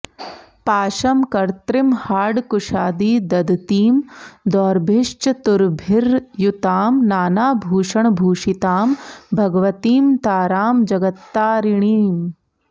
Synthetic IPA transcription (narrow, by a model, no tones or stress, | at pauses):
paːʃɐmkɐɾt̪ɾɪmhaːɖkʊʃaːd̪iːd̪ɐd̪t̪iːmd̪ɔːɾbʱɪʃt͡ʃt̪ʊɾbʱɪɾjut̪aːmnaːnaːbʱuːʃɐɳ̃bʱuːʃit̪aːmbʱɐɡʋɐt̪iːmt̪aːɾaːmd͡ʒɐɡɐt̪ːaːɾɪɳ̃iːm